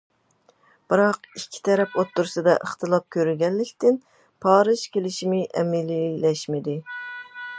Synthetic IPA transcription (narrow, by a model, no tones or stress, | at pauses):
b̥ɨɾɑqikʲʰːi̥t̪ʰɛɾɛpot̪ːuɾsɨd̪ɑ̰ʔəχt̪ʰɨlˠɑp̚kʲʰøɾyɡʲɛnlɪkʲt̪ɪn | pʰɑːɾɨʃkʲelɪʃimɪʔɛ̰mɪlilɛʃmɪd̪ɪ